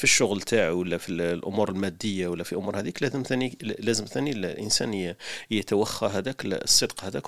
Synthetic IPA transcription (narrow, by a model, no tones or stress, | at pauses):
fiʃːʊɣlt̪ʰaʕwəlːæfillʔʊmuɾəlmæd̪ːəjːawəlːæfiʔʊmuɾhæd̪iklæzəmθænilæzəmθænillʔənsæ̰njət̪wæxːæɦæd̪æklsˤːɨd̪qhæd̪æk